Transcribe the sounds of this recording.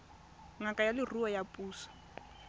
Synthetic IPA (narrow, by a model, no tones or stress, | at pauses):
ŋakʼajalɪruɔjapʼuːsḁ